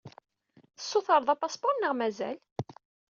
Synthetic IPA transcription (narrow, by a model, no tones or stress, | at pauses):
θə̥sːʊθəɾˤðˤɑpːɑsbɑnːəʁmæzæ̰l